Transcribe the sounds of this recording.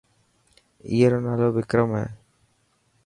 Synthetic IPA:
ḭːeɾoːnaːloːbɪkɾəmɦɛ̰ː

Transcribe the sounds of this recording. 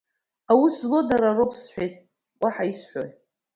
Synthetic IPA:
awuszlo̞daɾaropʰsħʷejtʼ | wʷaħaisħʷᶣo̰

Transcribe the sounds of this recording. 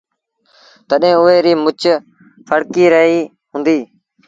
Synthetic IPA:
t̪əɗɦẽːʊɦeːɾiːmʊt͡ʃ | pʰəɽkiːɾəɦiː | ɦʊ̃nd̪iː

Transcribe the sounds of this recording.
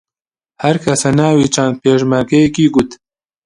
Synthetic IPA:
hɐɾkʰɐsanaːwiːt͡ʃand̪̚peːʃmaɾɡɐjekiːɡut̪

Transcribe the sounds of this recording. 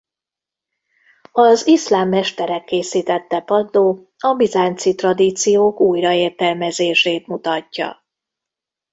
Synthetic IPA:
ɒzislaːmːɛʃt̪ɛɾɛkːeːsiːt̪ɛt̪ːɛpɒd̪ːoː | ɒbizaːɲt̪sit̪rɒd̪iːt̪sijoːkuːjrɒeːrt̪ɛlmɛzeːʃeːt̪mut̪ɒcːɒ̰

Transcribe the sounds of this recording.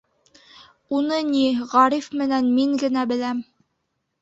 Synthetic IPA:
unɤniʁɑɾifmɘ̆nænmiŋɡɘ̆næbɘ̆læm

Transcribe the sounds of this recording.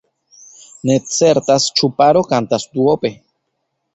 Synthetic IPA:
ne̞t͡se̞ɾtast͡ʃupaɾo̞kant̪asd̪uope̞

